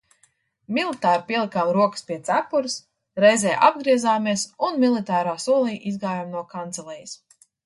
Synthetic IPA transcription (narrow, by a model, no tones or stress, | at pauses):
milˠit̪aːɾpʲiɛlˠikaːmɾuɔkə̥spʲiɛt̪sapːuɾs | ɾɛjzɛːʔa̰bɡɾiɛzaːmiɛsunmilˠit̪aːɾaːsuɔlˠiːʔizɡaːjamnuɔkant̪sɛlˠɛjis